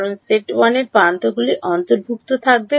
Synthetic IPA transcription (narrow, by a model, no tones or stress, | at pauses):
ɾonseʈwaneɾpant̪oɡuliʔʔɔnt̪oɾbʱuk̚t̪ot̪ʰak̚be